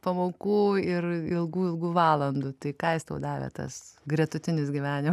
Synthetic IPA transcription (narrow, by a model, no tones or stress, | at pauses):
pɐmoːkuːɪrɪlˠɡuːɪlˠɡuːʋɑːlˠɐnd̪ʊt̪ɐɪkɑːjɪst̪ɐʊd̪ɑːʋʲɛ̰t̪ɐ̰sɡrʲiɛt̪ʊt̪ʲɪnʲɪsɡʲiʋʲæːnʲɪm